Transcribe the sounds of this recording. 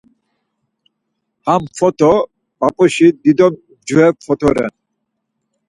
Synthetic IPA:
hamfɔt̪ɔ | papɔʃid̪id̪ɔm | d͡ʒuɛk̚fɔt̪ɔɾɛ̰n

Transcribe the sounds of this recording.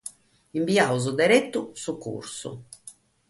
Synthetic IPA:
iɱbiauzud̪ɛɾɛt̪ːusukːṵɾsṵ

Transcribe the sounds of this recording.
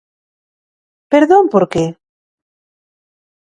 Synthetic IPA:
peɾðompoɾke

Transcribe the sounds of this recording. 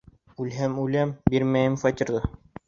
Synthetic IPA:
ʉlɦæmʉlæmbiɾmæjɘmfɑt̪ʲiɾd̪ɤ

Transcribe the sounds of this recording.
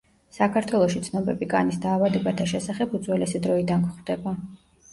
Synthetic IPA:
sakʰaɾt̪ʰwɛlˠɔʃit̪sʰnɔbɛbikʼa̰nisd̪aːvad̪ɛbat̪ʰaʃɛsaχɛpʰud̪zwɛlɛsid̪ɾɔid̪ankʰχvd̪̥ɛba

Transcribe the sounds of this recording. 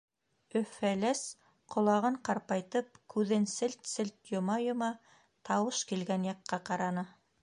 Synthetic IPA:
ɵ̆fælæs | qʰŏlˠɑʁɤɴqɑɾpɑjt̪ɤp̚kʉðɘnsɘlt̪sɘlt̪jŏmɑjŏmɑ | t̪ʰɑwɤʃkilɡænjɑqːɑqɑɾɑnɤ

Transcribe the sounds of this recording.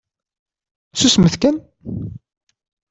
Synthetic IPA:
susməθkæn

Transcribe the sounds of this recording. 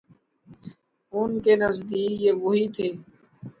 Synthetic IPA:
ʊnkeːnəzd̪iːjeʋoɦiːt̪ʰeː

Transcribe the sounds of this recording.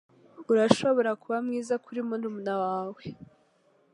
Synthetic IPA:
uɾaʃo̞βo̞ɾakuβamŋiːzakʰuɾimonumunawaːwe

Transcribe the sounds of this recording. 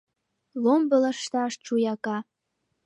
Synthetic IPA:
lombə̆lə̆ʃt̪ɑʃt͡ʃujɑkɑ

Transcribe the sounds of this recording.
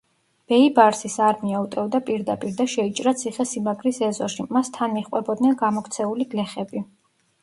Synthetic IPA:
b̥ɛibaɾsisaɾmiaut̪ʼɛvd̪apʼiɾd̪apʼiɾd̪aʃɛit͡ʃʼɾat̪sʰiχɛsimaɡɾisɛzɔʃimast̪ʰanmiχqʼwɛbɔd̪nɛnɡamɔkʰt̪sʰɛuliɡ̥lɛχɛbi

